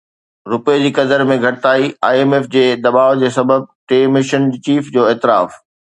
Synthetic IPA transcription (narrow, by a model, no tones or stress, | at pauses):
ɾʊpeed͡ʑiːkɐd̪əɾmẽɡʱɐʈɪt̪aːiaːieːmeːfd͡ʑeːd̪ɐbaːʋd͡ʑeːsɐbəb̚ʈeːmɪʃənt͡ɕiːfd͡ʑoːeːt̪ɪɾaːf